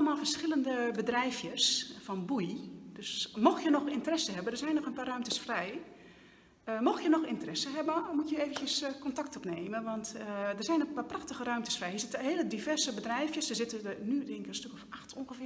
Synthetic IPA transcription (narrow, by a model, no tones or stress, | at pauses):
ləmaːlˠfərsxɪləndəbədrɛjfjəsfɔnbujd̥øsmɔxjənɔxɪntərɛsəɦɛbəndərzɛjnːɔxənpaːrœɥmtəsfrɛj | əmɔxjənɔxɪntərɛsəɦɛbəmutjəeːvəntjəskɔntak̚tɔpneːmənʋɔntdərzɛjnənpaːpraxtəɣərœɥmtəsfrɛjhisɪtɦeələdivɛrzəbədrɛjfjəsdəzɪtənydɪŋkənstøkɔfaxtʰonxəfɪ